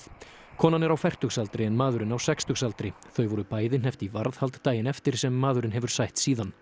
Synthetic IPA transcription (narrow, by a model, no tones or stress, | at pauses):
kʰɔːnanɛɾawfajr̥t̪ʏxsalt̪ɾɪɛnmaːðʏɾɪnawsɛkst̪ʏxsalt̪ɾɪθœɥvɔɾʏpaːjðɪnɦɛft̪ivaɾðhalt̪ːaːjɪnɛft̪ɪɾ̥sɛmːaːðʏɾɪnɦɛvʏɾ̥sajht̪siːðan